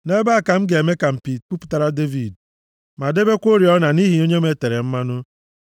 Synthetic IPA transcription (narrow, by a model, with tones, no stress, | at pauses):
ne˦ba˦a˨ka˨m̩˦ɡe˨me˦ka˨m̩˨pi˨t̚k͡pu˦pu̥˨ta˦ɾa˦de˦vi˨d̚ | ma˨de˦be˦kʷo˦ɾi˨ɔ˦na˨ni˦ɦi˨˦o˦ɲe˦me˦˨te˨ɾe˨m̩˦ma˦nʊ˦